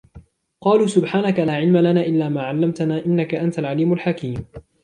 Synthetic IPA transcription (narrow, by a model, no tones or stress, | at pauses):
qɑːluːsʊbħaːnakalaːʕɪlmalanaːʔɪlːaːmaːʕalːamt̪anaːʔɪnːakaʔant̪alʕaliːmʊlħakiːm